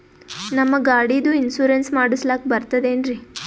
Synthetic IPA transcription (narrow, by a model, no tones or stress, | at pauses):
nɐmːɐɡaːɽid̪uinsuːɾensmaːɽuslaːk̚bɐɾt̪ɐd̪eːnɾi